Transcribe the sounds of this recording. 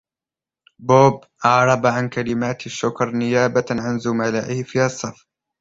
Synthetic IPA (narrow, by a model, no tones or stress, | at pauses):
boːbʔɑʕɾˤɑbaʕankalɪmaːt̪ʃːʊkɾˤnɪjaːbaʕanzʊmalaːʔɪhfiːhɑsˤːɑf